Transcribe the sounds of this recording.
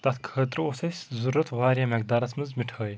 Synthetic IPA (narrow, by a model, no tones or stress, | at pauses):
d̪̥ɐt̪kʰəːt̪ɾɨosɐsʲzuɾːɐt̪ʰʋaːɾʲjɐmɛk̚d̪aːɾɐt͡sʰmɨzmiʈʰəːj